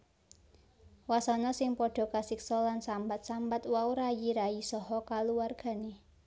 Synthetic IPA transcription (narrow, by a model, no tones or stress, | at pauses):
wasɔnɔsɪŋpɔɖ̥ɔ̤kasiksɔlansambat̪̚sambat̪wauɾajiɾaisɔɦɔkaluwarɡ̥a̤ne